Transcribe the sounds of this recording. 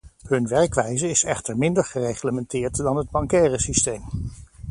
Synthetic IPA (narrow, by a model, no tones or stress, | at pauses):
ɦɵnʋɛɹkʋɛjzəɪsɛχtəɹmɪndəɹχərejχləmɛntɪːɹtdɑnɦəd̚bɑŋkɛːrəsistejm